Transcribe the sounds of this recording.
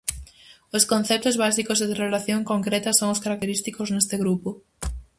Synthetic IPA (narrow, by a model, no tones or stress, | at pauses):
ʊskõn̟θɛp̚t̪ʊzβasikozðerelaθjoŋkoŋkɾet̪ɐsoŋʊskaɾak̚t̪eɾist̪ikoznest̪ɪɣɾupʊ